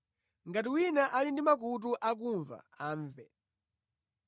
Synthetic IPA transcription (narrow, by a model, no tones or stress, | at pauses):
ŋɡatiwinaʔalindimak̬ut̬uʔak̬uɱva̰ | aːɱvɛ